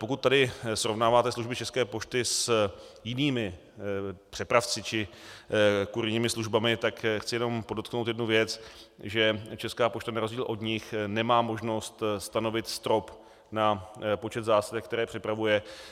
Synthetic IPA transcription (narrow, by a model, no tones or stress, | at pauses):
po̞kut̪tːadɪsɾo̞vnaːvaːt̪ɛsluʒbɪt͡ʃɛskɛːpot͡ʃt̪ɪsjɪniːmɪ | pr̥ɛpɾaft͡sɪt͡ʃɪ | kuɾɪɲiːmɪsluʒbamɪt̪akxt͡sɪjɛno̞mpo̞dot̪̚knowt̪jɛdnuvjɛt͡sʒɛt͡ʃɛskaːpo̞t͡ʃt̪anaɾozɟiːlʔo̞dɲɪxnɛmaːmo̞ʒno̞st̪st̪ano̞vɪt̪st̪ɾo̞p | napo̞t͡ʃɛt̪zaːsadɛkt̪ɛɾɛːpr̥ɪpɾavujɛ